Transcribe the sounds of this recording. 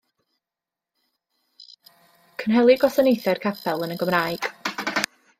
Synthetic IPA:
kʰənɦɛlˠiɡɔsənejθɛrkʰapʰɛlˠənəɡəmraːjɡ̥

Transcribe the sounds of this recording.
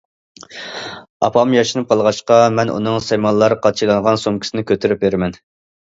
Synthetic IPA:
ɑ̰pʰɑmjɑʃɨnɨp̚qʰɑlˠʁɑʃqɑmɛnʔṵnɨŋsɛjmɑnlˠɑɾqʰɑt͡ʃʰilˠɑɴʁɑnsomkʲi̥sɪnɪkʲøt̪ʰyɾyp̚veɾɪmɛn

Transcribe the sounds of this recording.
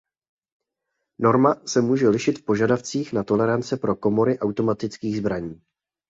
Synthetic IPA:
no̞ɾmasɛmuːʒɛlɪʃɪt̪fpo̞ʒadaft͡siːxnat̪o̞lɛɾant͡sɛpɾo̞ko̞mo̞ɾɪʔawt̪o̞mat̪ɪt͡skiːɣzbɾaɲiː

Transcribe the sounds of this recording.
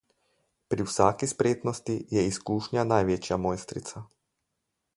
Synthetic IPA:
pɾiwsaːkispɾeːt̪nɔst̪ijɛiskuːʃɲanajʋet͡ʃjamojst̪ɾḭt̪sa

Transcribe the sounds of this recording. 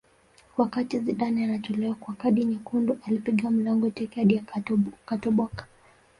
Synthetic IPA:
wakatiziɗanianatɔlɛwakwakaɗiɲakunduʔalipiɡiam̩laŋɡɔtɛkɛaɗiakatɔɓwakḁ

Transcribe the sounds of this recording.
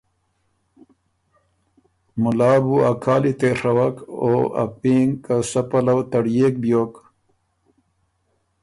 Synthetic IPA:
mulaːbuakʰaːlit̪eʂɐwɐkoːa̰piːŋkasɐpɐlɐwt̪ɐɽjeːk̚bjoːk

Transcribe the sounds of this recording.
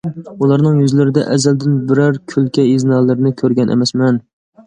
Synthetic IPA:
ulˠɑɾnɨŋjyzlɪɾɪd̪ɛ̰ʔɛzæld̪ɪnbɪɾæɾkʲʰylkʲɛiznɑːlˠɨɾɪnɪkʲʰøɾɡʲɛnʔɛ̰mɛsmɛn

